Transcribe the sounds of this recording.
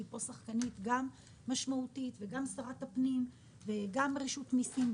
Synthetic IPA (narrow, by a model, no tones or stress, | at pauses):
ipo̞saχkanit̪ɡamː | aʃmautitve̞ɡamsaʁatapnim | veɡamʁiʃutmisim